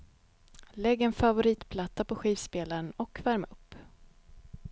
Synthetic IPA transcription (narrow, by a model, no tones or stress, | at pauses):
lɛɡːɛnfavʊɾiːt̪pʰlat̪ːapɔɧiːvspeːlaɾənɔkvæɾmaɵpː